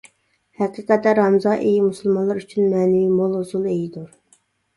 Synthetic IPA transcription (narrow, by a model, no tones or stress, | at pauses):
hɛqiqɛt̪ːɛɾɑmzɑːʔejimusulˠmɑnlˠɑɾyt͡ʃʰynmɛːnɪvimolˠhosulˠejid̪uɾ